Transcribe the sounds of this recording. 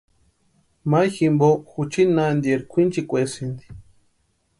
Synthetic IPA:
majximboxut͡ʃinand̪jeɾkʰʷint͡ʃikʷesind̪i̥

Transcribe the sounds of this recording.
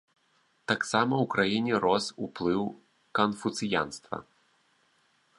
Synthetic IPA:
t̪aksamɐwkɾajinʲɛɾɔsuplˠɨw | kɐnfut̪sɨja̰nst̪vɐ̰

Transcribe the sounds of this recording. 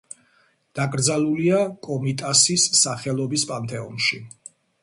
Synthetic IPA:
d̪̥akʼɾd̪zalˠuliakʼɔmit̪ʼasisːaχɛlˠɔbispʼant̪ʰʼɛɔnʃi

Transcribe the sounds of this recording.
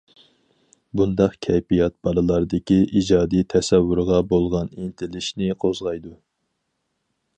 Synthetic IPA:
bund̪ɑqkʲʰɛjpijɑt̪̚b̥ɑɾˠɨlˠɑɾd̪ɪkʲiid͡ʒɑːd̪ijt̪ʰɛsɛwːʊɾʁɑbolˠʁɑnint̪ʰɪlɪʃnɪqʰozʁɑjd̪u

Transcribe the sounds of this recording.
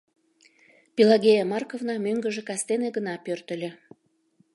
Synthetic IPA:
pilɑɣʲejɑmɑrkovnɑmøŋɡə̆ʒĕkɑst̪eneɡənɑpørt̪ə̆lʲĕ

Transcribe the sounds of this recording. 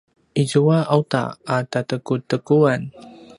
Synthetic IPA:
ʔizuaʔawta̰atatəkutəkuan

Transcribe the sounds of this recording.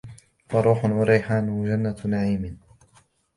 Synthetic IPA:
fɑɾˤuːħʊnwaɾiːħaːnwad͡ʒanːanaʕiːmɪ

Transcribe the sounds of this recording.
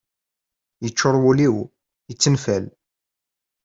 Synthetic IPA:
jət͡ʃːʊɾˤwuliw | ət͡sːənfæl

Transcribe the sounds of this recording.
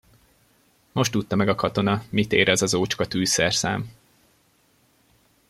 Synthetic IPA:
mo̞ʃt̪ːut̪ːɒmɛɡɒkɒt̪o̞nɒmit̪ḛːɾɛzɒzoːt͡ʃkɒt̪yːsɛrsa̰ːm

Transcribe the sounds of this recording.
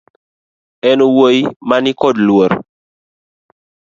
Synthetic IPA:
ɛnowojmanikɔdlwoɾ

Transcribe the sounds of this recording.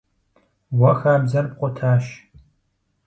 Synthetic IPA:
wɐxaːbzɐrpqʷʼʊtʰaːʃ

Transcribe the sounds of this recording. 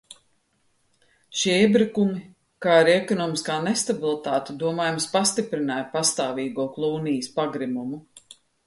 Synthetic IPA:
ʃiiɛɛbɾikumi | kaːiɾɛkɔnɔːmiskaːnest̪abilˠit̪aːt̪ed̪uɔmaːjumspast̪ipɾinaːjpast̪aːviːɡuɔklˠuːnijəspaɡɾimumu

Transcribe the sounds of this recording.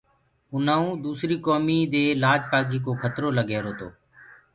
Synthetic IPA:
ʊnãːũːd̪uːsɾiːkoːmiːd̪eːlaːd͡ʒpaːɡiːk̬oːkʰət̪ɾoːləɡʱeːɾoːt̪o̰ː

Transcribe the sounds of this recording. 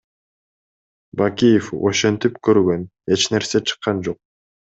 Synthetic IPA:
bakʲijefo̰ʃe̞nt̪ipkøɾɡø̞n | e̞t͡ʃne̞ɾse̞t͡ʃʰɯ̥qːɑnd͡ʒo̞q̚

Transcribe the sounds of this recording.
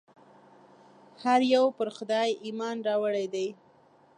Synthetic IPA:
haɾjawpəɾxʊd̪ɑjimɑnɾɑwəɽajd̪aj

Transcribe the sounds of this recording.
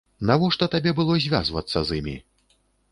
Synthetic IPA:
navɔʂt̪ɔt̪abʲɛbɨlˠɔzʲvʲazvɐt̪sːɐzɨmʲḭ

